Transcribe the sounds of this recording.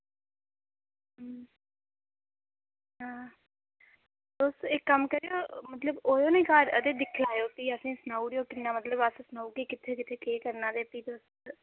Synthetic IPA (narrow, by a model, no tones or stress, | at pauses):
ɦãː | d̪oːst̪ːekːəmkəɾejoːmət̪ləboːjoːnẽːkaːɾəd̪eːd̪ɪkʰlaːjoːkiːəsĩːsnaːuːɾejoːkɪnːaːmət̪ləbəssənaːuːkeːkɪt̪ʰːeːkɪt̪ʰːeːkeːkəɾnaːd̪eːpiːd̪oːst̪